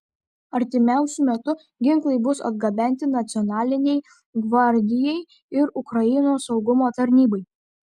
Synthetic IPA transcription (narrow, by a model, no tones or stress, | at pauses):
ɐɾʲt̪ʲɪmʲæˑʊsʲʊmʲɛt̪ʊ | ɡʲɪŋklˠɐɪbʊsɐ̰d̪ɡɐbʲɛnʲt̪ʲɪnɐt̪sʲɪɔnɑːlʲɪnʲɛɪ | ɡʋɐɾʲd̪ʲɪjɛɪ | ɪɾʊkɾɐjɪnoːsɒʊɡʊmoːt̪ɐɾʲnʲiːbɐɪ